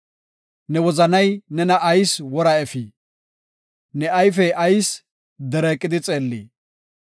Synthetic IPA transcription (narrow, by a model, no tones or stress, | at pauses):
nɛwɔzɐnɐjnɛnɐʔːjswɔɾɐɛfiː | nɛɐjfɛʔɐjs | d̪ɛɾɛːkʼːɪd̪ɪt͡sʼeːlːḭː